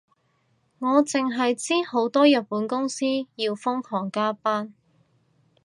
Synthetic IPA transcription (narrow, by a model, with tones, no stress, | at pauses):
ŋɔː˨˧t͡sɪ˨ŋɦɐ˨jt͡siː˥ho˨˥wt̪ɔː˥jɐ˨t̚puː˨˥nkʊ˥ŋsiː˥jiː˧wfʊ˥ŋkʰɔː˨˩ŋkaː˥paː˥n